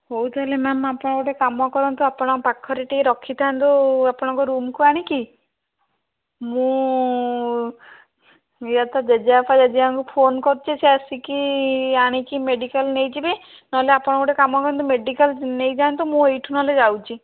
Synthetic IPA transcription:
howt̪ʰalemamapɔɽ̃ɔkɔʈekamɔkɔɾɔnt̪uapɔɽ̃ɔpakʰːɔɾeʈieɾɔkʰːit̪ʰant̪uapɔɽ̃ɔ̃ŋkɔɾumkuaɽ̃iki | mũ | eat̪ad͡ʒed͡ʒaapʰad͡ʒad͡ʒiaŋkupʰonkɔɾt͡ʃʰeseasikiaɽ̃ikimeɖikalnejt͡ʃibe | nɔɦleapɔɽ̃kuʈekamɔkɔɾɔnt̪umeɖikalnejd͡ʒant̪umũejʈʰunɔled͡ʒawt͡ʃʰi

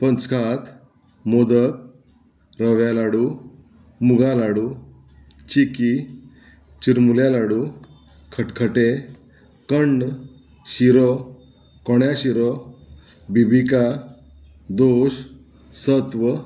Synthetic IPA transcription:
pənt͡skʰat̪ | mod̪ək̚ | ɾəʋjalaɽu | muɡalaɽu | t͡ɕiki | t͡ɕiɾmuljalaɽu | kʰəʈkʰəʈe | kəɳɖ | ɕiɾɔ | kɔɳjaɕiɾɔ | bibika | d̪oɕ | sət̪ʋə

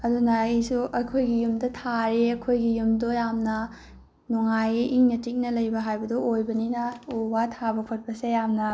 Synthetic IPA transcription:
ɐdunɐijsuʔɐkʰojɡijumdɐtʰaɾiɐkʰojɡijumdojamnɐ | nuŋajiʔiŋnɐtik̚nɐlɐjbɐɦajbɐduojbɐninɐuwatʰabɐkʰot̚pɐsejamnɐ

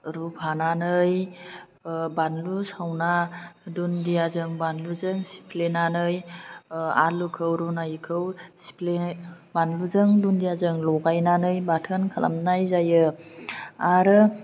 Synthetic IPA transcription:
ɾupʰananɯj | banlusawnadundijazɯŋbanluzɯŋsi̥pʰlenanɯj | a̰lukʰɯwɾunajkʰɯwsi̥pʰle | banluzɯŋdundijazɯŋlɔɡajnanɯjbatʰɯnkʰalʔa̰mnajzajɯ | aɾɯ

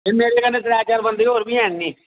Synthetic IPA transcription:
pɪmeːɾeːkənːet̪ɾɛːt͡ʃaːɾbənd̪iːɦoːɾbiːɦɛ̃ːnːiː

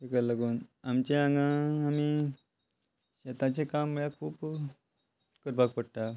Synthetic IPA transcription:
ikəɾləɡuːnamt͡ɕeãŋɡãami | ɕet̪at͡ɕekamːəɭakʰuːp | kəɾpakpəɽʈ̪a

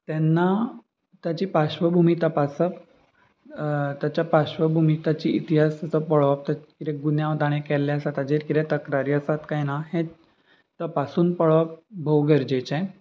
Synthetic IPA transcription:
t̪ɛnːa | t̪jat͡ɕiːpaɕʋəbʱumit̪əpasəp | t̪jat͡ɕjapaɕʋəbʱumit̪at͡ɕiit̪iɦasət͡səpəɭʋap̚t̪əkiɾɛ̃ɡunjãʋt̪aɽ̃ekɛlːɛəsat̪ad͡ʑeɾkid̪ɛ̃t̪əkɾaɾiəsat̪kajnahẽ | t̪əpasuːnpəɭap̚bʱowɡəɾd͡ʑet͡ɕɛ̃

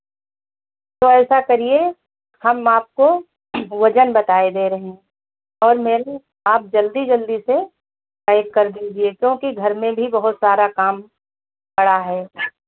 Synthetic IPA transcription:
t̪oɛːsakɐɾie | hɐmaːp̚ko | ʋɐd͡ʒənbɐt̪aːed̪eɾɐɦẽː | ɔːɾmeːɾe | aːp̚d͡ʒɐld̪id͡ʒɐld̪ise | kɛːɪɡ̚kɐɾd̪iːd͡ʒiekjõːkiɡʱɐɾmẽbʱibɐɦʊt̪saːɾakaːm | bɐɽaɦɛː

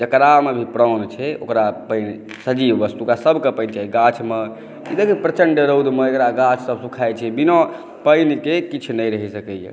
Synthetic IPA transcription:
d͡ʒəkɾamebʱipɾɔwnt͡ʃʰɛo̰kɾapəɪn | səd͡ʒibːəst̪uokasəbʱkepəɪnt͡ʃaɦiɡat͡ʃʰme | id̪ekʰpɾət͡ʃəɳɖəɾowd̪meekɾaɡãt͡ʃʰsəbʱsukʰajt͡ʃʰɛbinɔ̃ | pəɪnkekit͡ʃʰnəjɾəɦɛsəkɛjḛ

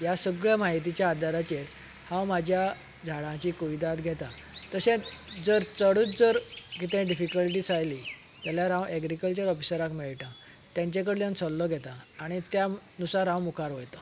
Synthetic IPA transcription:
jasəɡɭjamaɦit̪̬it͡ɕjaːd̪aɾat͡ɕeɾ | hãwmad͡ʑʱja | d͡zʱaɽãt͡ɕikuʋid̪at̪ɡʱɛt̪at̪əsɛ̃d͡zəɾt͡səɽut͡sd͡zəɾkit̪ɛ̃ɖifikəlʈiːsajli | t̪aljaɾãwʔɛɡɾikəlt͡ɕəɾɔfi̥səɾakmiɭʈã | t̪jãɲt͡ɕẽk̬əɽljãnsɔlːɔɡʱɛt̪ãːɽ̃it̪janusaɾɦãwmukaɾɦojt̪a

